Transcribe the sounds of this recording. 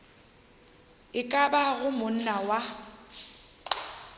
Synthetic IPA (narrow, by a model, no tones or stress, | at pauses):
ɪkʼabaɣʊmʊn̩nawa